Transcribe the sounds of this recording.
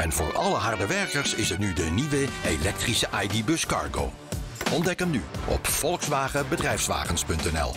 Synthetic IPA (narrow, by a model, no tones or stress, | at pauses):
ɛnvʊ̰ːɹɑləɦɑɹdəʋɛɹkəɹsɪsɦətnydəniʋəelɛk̚trisəʔajdibɵskɑ̰ɹɡo̰w | ʔɔndɛkənnyʔɔ̰pfɔlˠksʋaːχəbədrɛjfsʋa̰ːχənspɵntɛnɛ̰lˠ